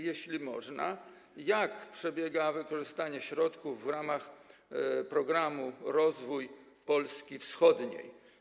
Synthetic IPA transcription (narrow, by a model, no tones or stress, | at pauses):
jɛɕlʲimɔ̰ʐna̰ | jakpʂɛbʲjɛɡavɘkɔʐɘst̪aɲɛɕɾɔt̪kuvːɾamax | pɾɔɡɾamuɾɔzvuj | pɔlskʲifsxɔd̪ɲḛj